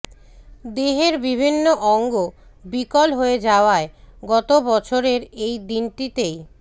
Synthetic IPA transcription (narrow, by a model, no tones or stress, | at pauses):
d̪eɦeɾbibʱinːoʔɔŋɡobikolɦoed͡ʑaoaeɡɔt̪obɔt͡ɕʰoɾeɾejd̪inʈit̪ej